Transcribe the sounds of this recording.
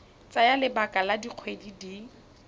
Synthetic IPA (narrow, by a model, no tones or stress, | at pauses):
t͡sʼajalɪbakʼaladiq͡χʰwedidi